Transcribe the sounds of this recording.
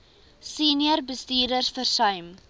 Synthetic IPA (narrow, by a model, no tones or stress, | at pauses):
siːniərbəstiːrdərsfərsœɥm